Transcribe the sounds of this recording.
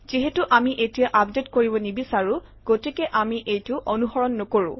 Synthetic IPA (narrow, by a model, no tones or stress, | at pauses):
ziɦɛtuʔamiʔetijaʔapdetkoɹibɔnibisaɹũ | ɡ̥otikɛʔamiʔejtʊʔonuɦɔɹɔnːɔkoɹʊ̰̃